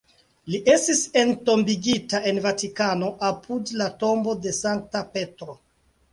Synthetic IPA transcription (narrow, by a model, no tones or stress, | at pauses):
liʔe̞stise̞nto̞mbiɡitae̞nvatikano̞ʔapʰudlato̞mbo̞de̞saŋk̚tape̞tɾo̞